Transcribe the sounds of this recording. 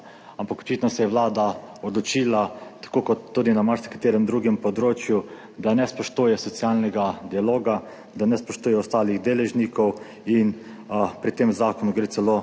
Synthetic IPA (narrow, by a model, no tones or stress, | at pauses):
ampakɔ̥t͡ʃit̪nɔsɛjɛʋlaːd̪a | ɔd̪lɔt͡ʃiːlat̪ḁkokɔt̪ːuːd̪inamaɾʃskḁt̪eːɾɛmd̪ɾuːɡɛmpɔd̪ɾoːt͡ʃju | d̪anɛspɔʃt̪uːjɛsɔt̪sialnɛɡad̪ialoːɡa | d̪anɛspɔʃt̪uːjɛɔst̪aːliɣd̪eːlɛʒnikɔw | inpɾit̪emzaːkɔnuɡɾeːsɛlo